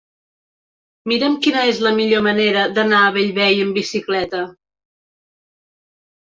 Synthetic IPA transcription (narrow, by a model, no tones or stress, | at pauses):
miɾəmkinəezləmiʎoməneɾəd̪ənaəβəʎβɛjəmbisiklɛt̪ə